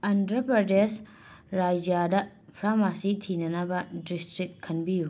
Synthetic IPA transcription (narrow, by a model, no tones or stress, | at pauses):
ɐndɾɐpɾɐdes | ɾad͡ʒjadɐ | pʰɾamasitʰinɐnɐbɐdistɾik̚kʰɐnbiju